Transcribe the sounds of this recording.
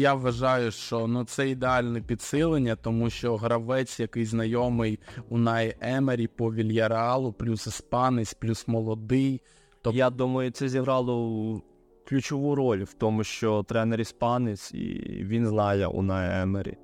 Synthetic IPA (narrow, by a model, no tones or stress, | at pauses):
jaʋʋɐʒɑjʊʃt͡ʃɔnut̪sɛid̪eɑlʲnɛpʲid̪sɪlˠenʲːɐt̪ɔmuʃt͡ʃɔɦɾɐʋɛt͡sʲjɐkɪjznɐjɔmɪjʊnɑjɛmeɾʲipɔʋʲilʲjɐɾeɑlˠʊplʲusɪspɑnɪsʲplʲusmɔlˠɔd̪ɪj | t̪ɔjad̪umɐjʊt̪sɛzʲiɦɾɑlˠɔ | klʲʊt͡ʃɔʋuɾɔlʲwt̪ɔmʊʃt͡ʃɔt̪ɾɛneɾʲispɑnɪsʲḭʋʲinzlˠɑjɐ̰ʔʊ̰nɑjɛmeɾʲḭ